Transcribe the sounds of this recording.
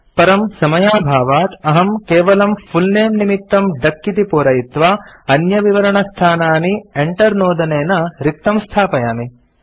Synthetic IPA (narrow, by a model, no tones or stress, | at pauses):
pɐɾɐmsɐmɐjaːbʱaːʋaːt̪ɐɦɐmkeːʋɐlɐmpʰulneːmnimit̪ːɐmɖ̪ɐkːit̪ipoːɾɐjit̪ʋaːɐnjɐʋiʋɐɾɐɳɐst̪ʰaːnaːnieɳʈɐɾnoːd̪ɐneːnɐɾik̚t̪ɐmst̪ʰaːpɐjaːmi